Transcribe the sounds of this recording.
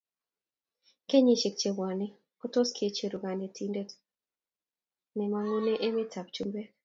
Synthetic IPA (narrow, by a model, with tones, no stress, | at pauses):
ke˦ɲi˦˨t͡ʃe˨k̚t͡ʃe˨wwa˨ne˦ | ko˦tɔ˦skʰe˨t͡ʃe˨ɾu˨ɡa˨ne˨tʰi˦nde˦t | nɛ˨ma˦ŋo˦ne˦ʔe˦me˦ta˨p̚t͡ʃu˦mbe˦